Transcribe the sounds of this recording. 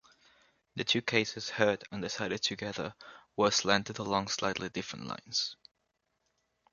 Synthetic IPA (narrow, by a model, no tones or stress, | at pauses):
ðɨtʰʉkʰeɪsɨz̥hɜ˞də̃ndɪsaɪɾɨd̚tʰɨɡɛðəwə˞slæ̃ntɨɾəlɔ̃ŋslaɪtˡlidɪfɹə̰̃nʔlã̰ɪ̃nz̥